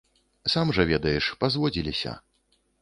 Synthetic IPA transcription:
samʐɐvʲɛd̪ɐjɛʂpazvɔd͡zʲilʲisʲɐ̰

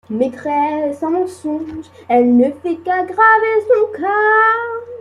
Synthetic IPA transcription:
met̪χɛsɑ̃mɑ̃sɔ̃ʒ | ɛlnəfɛkaɡʁavesɔ̃ka

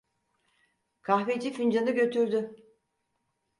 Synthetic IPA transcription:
kʰahved͡ʒifynd͡ʒanɯɟø̞t̪ʰyɾd̪ʏ

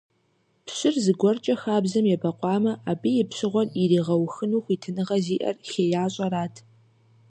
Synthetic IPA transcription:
pɕɪrzɨɡʷɔrt͡ʃʼɐxaːbzɐmjɛbɐqʷʼɑːmɐʔaːbijɪpɕɨʁʷɔririːʁɐwxɨnuːxʷiːtʰɨnɨʁɐziːʔɐ̰rxeːjaːɕʼɐɾaːtʰ

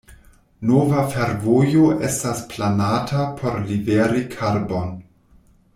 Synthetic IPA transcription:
novafe̞ɾvo̞jo̞ʔe̞stasplanatʰapʰo̞ɾliveɾikʰaɾbo̞n

